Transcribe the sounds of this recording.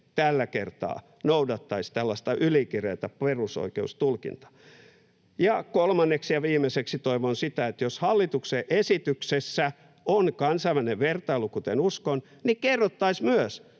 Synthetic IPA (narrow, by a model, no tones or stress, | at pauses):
t̪ælːækert̪ɑ̰ː | noudɑt̪ːɑist̪ælːɑst̪ɑʔylikireːt̪æperuso̰ikḛust̪ulkḭnt̪ɑ̥ | jɑkolmɑnːeksjɑʋiːmːeseksit̪oiʋonsit̪æet̪joshɑlːit̪ukseʔesit̪yksesːæ | onkɑnsɑiʋæneʋʋert̪ɑilukut̪enuskon | nikerːot̪ːɑismyøs